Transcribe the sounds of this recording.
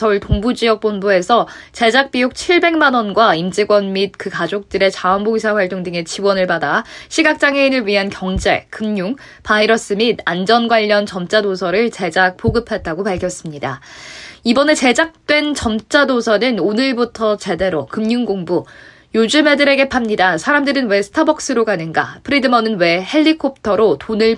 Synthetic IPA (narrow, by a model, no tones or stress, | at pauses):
sʌuɭtoŋbud͡ʑijʌk̚p͈onbue̞sʰʌ | t͡ɕe̞d͡ʑak̚p͈ijok̚t͡ɕʰiɭbe̞ŋmanʌnɡwaimd͡ʑiɡwʌnmit̚kɯkad͡ʑok̚t͈ɯɾe̞t͡ɕaʌnboɡisʰaɸwaɭt͈oŋdɯŋe̞t͡ɕiwʌnɯɭpadaɕʰiɡak̚t͡ɕ͈aŋeinɯɭɥiɦankjʌŋd͡ʑe̞̰kɯmɲuŋ | paiɾʌs͈ɯmidand͡ʑʌnɡwaʎːʌnt͡ɕʌmt͡ɕ͈adosʰʌɾɯɭt͡ɕe̞d͡ʑak̚p͈oɡɯpʰe̞t̚t͈aɡopaɭkʰjʌs͈ɯmɲida̰ | ibʌne̞t͡ɕe̞d͡ʑak̚t͈we̞nt͡ɕʌmt͡ɕ͈adosʰʌnɯnonɯɭbutʰʌt͡ɕe̞de̞ɾokɯmɲuŋɡoŋbu | jod͡ʑume̞dɯɾe̞ɡe̞pʰamɲidasʰaɾamdɯɾɯnwe̞sʰɯ̥tʰabʌk̚s͈ɯɾoɡanɯnɡa̰pʰɯɾidɯmʌnɯnwe̞he̞ʎːikʰop̚ʰtʰʌɾotonɯɭ